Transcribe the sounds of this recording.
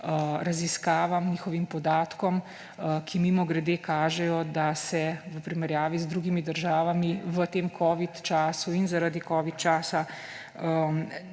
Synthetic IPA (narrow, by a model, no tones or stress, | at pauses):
ɾaziskaːʋamniːxɔʋimpɔd̪aːt̪kɔm | kʰimimɔɡɾɛd̪eːkaːʒɛjɔd̪asɛʋəpɾimɛɾjaːʋizd̪ɾuːɡimid̪əɾʒaːʋamiʋət̪eːmkʰɔːʋit̪t͡ʃaːsuinzaɾad̪ikɔːʋit̪t͡ʃaːsa | ə